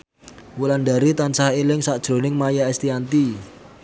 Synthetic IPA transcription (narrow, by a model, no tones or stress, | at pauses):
wulandaɾit̪ansahelɪŋsaʔd̥ʒ̥ɾo̤nɪŋmajaɛst̪iant̪i